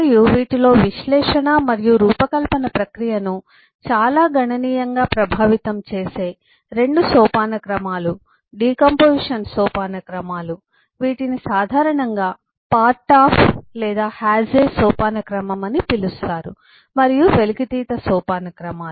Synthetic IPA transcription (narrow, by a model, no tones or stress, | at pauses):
ɐɾijuʋiːʈilo̞ːʋiʃlɛːʂɐɳamɐɾijuɾuːpɐkɐlpɐnɐpɾɐkɾijɐnu | t͡ʃaːlaːɡɐɳɐniːjɐŋɡaːpɾɐbʱaːʋit̪ɐmt͡ʃeːse̞ː | ɾe̞ɳɖusɔːpaːnɐkɾɐmaːlu | ɖiːkɐmpoːʂɐnsɔːpaːnɐkɾɐmaːlu | ʋiːʈinisaːd̪ʱaːɾɐɳɐŋɡaː | paːɾʈaːpʰlɛːd̪aːhaːd͡ʒeːsɔːpaːnɐkɾɐmɐmɐnipilust̪aːɾṵ | mɐɾijuʋe̞liɡid̪iːt̪ɐsɔːpaːnɐkɾɐmaː